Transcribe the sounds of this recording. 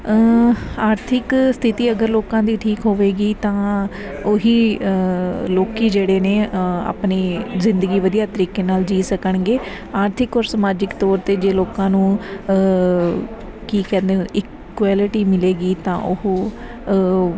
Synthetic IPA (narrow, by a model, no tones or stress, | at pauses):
aːɾt̪ʰɪkst̪ʰɪt̪iːəɡəɾloːkãːd̪iːʈʰiːkɦoːʋeːɡiːt̪ãː | oɦiː | loːkiːd͡ʒeːɽeːneːa̰ːpneːzɪ̃nd̪əɡiːʋəd̪ijaːt̪əɾiːkeːnaːld͡ʒiːsəkəɳɡeː | aːɾt̪ʰɪkɔːɾsəmaːd͡ʒɪkt̪ɔːɾt̪eːd͡ʒeːloːkãːnũː | kiːkɛ̃ːnd̪eːɪk | waːlɪʈiːmɪleːɡiːt̪ã̰ːʔʊhː